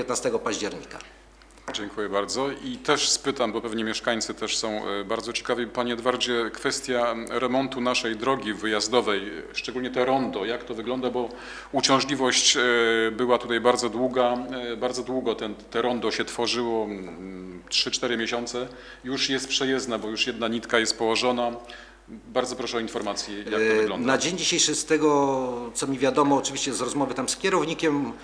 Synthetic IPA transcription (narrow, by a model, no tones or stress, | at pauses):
pjɛt̪nast̪ɛɡɔpaʑd͡ʑɛɾɲika̰ | d͡ʑɛŋkujɛbaɾd̪zɔʔit̪ɛʂspɘt̪ambɔpɛvɲɛmʲjɛʂkaɲ̃t̪sɘt̪ɛʂsɔ̃w̃baɾd̪zɔt͡ɕɛ̥kavʲipaɲɛɔd̪vaɾd͡ʑɛkfɛst̪ʲjaɾɛmɔnt̪unaʂɛjd̪ɾɔɡʲivɘjazd̪ɔvɛjʂt͡ʂɛɡulʲɲɛt̪ɛɾɔnd̪ɔjakt̪ɔvɘɡlɔnd̪abɔ | ut͡ɕɔ̃w̃ʐlʲivɔɕt͡ɕbɘwat̪ut̪ajbaɾd̪zɔd̪wuɡabaɾd̪zɔd̪wuɡɔt̪ɛnt̪ɛɾɔnd̪ɔɕɛt̪fɔʐɘwɔ | tʂɘt͡ʂt̪ɛɾɘmʲjeɕɔnt̪sɛ | juʂjɛst̪pʂɛjɛznabɔjuʂjɛd̪naɲit̪kajɛst̪̚pɔwɔʐɔna | baɾd̪zɔpɾɔʂɛɔinfɔɾmat̪sʲjɛjak̪vɡlɔnnad͡ʑeɲd͡ʑiɕejʂɘst̪ɛɡɔt̪sɔmʲivʲjad̪ɔmɔːt͡ʂɨvʲiɕt͡ɕɛzɾɔzmɔvɘt̪amskʲjɛɾɔvɲikʲɛm